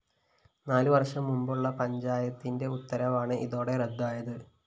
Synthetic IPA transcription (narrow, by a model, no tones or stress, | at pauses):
naːluʋɐrʂɐmːumbuɭːɐpɐɲd͡ʑaːjɐt̪ːinde̞ut̪ːɐɾɐʋaːɳɨʔiðo̞ːɽe̞red̪ːaːjɐðɨ